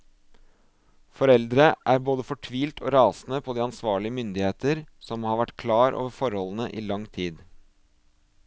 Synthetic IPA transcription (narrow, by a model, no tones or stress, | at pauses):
fɔɾɛld̪ɾəʔæɾboːd̪əfɔʈʰʋiːlt̪ʰoːɾɑːsnəpʰɔd̪iːɑnsʋɑːɭɪəmʏnd̪ɪheːt̪əɾsɔmhɑɾʋæʈkʰlɑːɾʔo̰ːʋəɾfɔɾhɔln̩əʔiːlɑŋt̪ʰiːd̪